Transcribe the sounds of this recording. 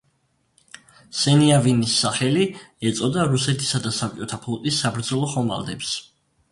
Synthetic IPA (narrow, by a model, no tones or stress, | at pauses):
sɛniavinisːaχɛliɛt̪sʼɔd̪aɾusɛt̪ʰi̥sad̪asap̚ʼt͡ʃʼɔt̪ʰapʰlˠɔt̪ʼisːabɾd̪zɔlˠɔχɔma̰lˠd̪ɛps